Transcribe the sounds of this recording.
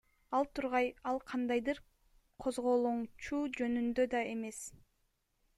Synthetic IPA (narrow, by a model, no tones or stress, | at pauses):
ɑlˠt̪ʰuɾʁɑjɑlˠqʰɑnd̪ɑjd̪ɯɾ | qʰo̞zʁo̞lˠuɴt͡ʃuːd͡ʒø̞nynd̪ød̪ɑe̞me̞s